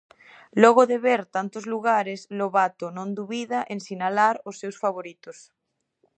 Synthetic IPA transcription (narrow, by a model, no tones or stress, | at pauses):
lɔɣoðeβeɾt̪ant̪ozluɣ̞aɾezloβat̪onõnd̪uβiðaʔensinalaɾosːewsfaβ̞oɾit̪os